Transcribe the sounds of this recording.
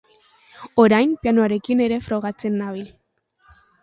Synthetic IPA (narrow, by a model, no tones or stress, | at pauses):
o̞ɾajmpianoaɾe̞kine̞ɾe̞fɾo̞ɣ̞at͡se̞nːaβ̞il